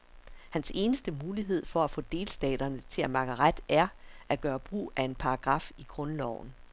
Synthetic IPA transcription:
hænse̝ːnəsd̥əmuːliɦe̝ð̞̰ˠfɒ̽æfɔ̰̽d̥e̝ːlsd̥ɛ̰ːd̥ɐnət͡sʰe̝læmɑ̈ɡ̥əʁad̥ʔæɐʔæɡ̥ɶːɐb̥ʁṵːæe̝npʰɑ̈ɑɡ̥ʁɑ̈fiɡ̥ʁɔ̽nlɒʊ̰n̩

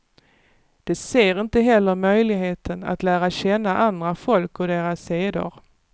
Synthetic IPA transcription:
d̪̥ɛseːɾɪnt̪əɦɛlːəɾmœjlɪɡɦeːt̪ʰəna̰t̪læːɾaɕɛnːaʔand̪ɾafɔlkɔd̪eːɾasːeːd̪ʊ̰ɾ

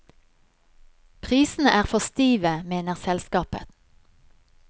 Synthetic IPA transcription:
pʰʁiːsn̩əʔæːʁfɔst̪iːʋəmeːnəʁsɛlskɑːpə̰

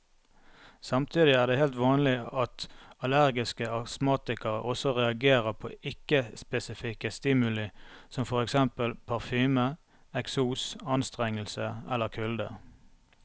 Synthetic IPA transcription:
sɑmt̪ʰiːd̪ɪæːʁd̪eːheːlt̪ʋɑːnlɪɑt̪ɑlæʁɡɪskəɑsmɑːt̪ɪkəʁəʔɔsɔʁɛɑɡeːʁəpʰo̰ʔɪkːəspɛsɪfɪkəst̪ɪmʉlɪsɔmfɔʁɛksɛmpəlpʰɑʁfyːmə | ɛksuːsɑnst̪ʁɛŋəlsəɛ̰lːəʁkʰʉld̪ə̰

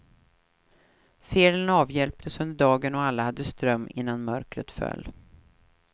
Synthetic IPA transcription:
feːlənɑːvjɛlpt̪ʰəsɵnd̪əɖɑːɡənɔalːahad̪ːəst̪ɾœmːɪ̰nːanmœɾkɾə̰t̪fœ̰lː

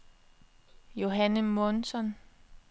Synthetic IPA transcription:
jo̝ɦænəmɔnsɒ̽n

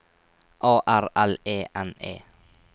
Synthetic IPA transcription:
ʔɑːʔæɾɛleːʔɛnḛː

